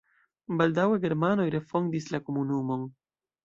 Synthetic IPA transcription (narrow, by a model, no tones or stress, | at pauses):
baldawe̞ɡe̞ɾmano̞jɾe̞fo̞ndislako̞munumo̞n